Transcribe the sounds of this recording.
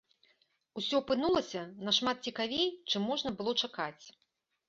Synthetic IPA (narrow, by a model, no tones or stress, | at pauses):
usʲɔpɨnulˠɐsʲɐnɐʂmat̪̚t͡sʲikavʲejt͡ʂɨmːɔʐnɐbɨlˠɔt͡ʂakat͡sʲ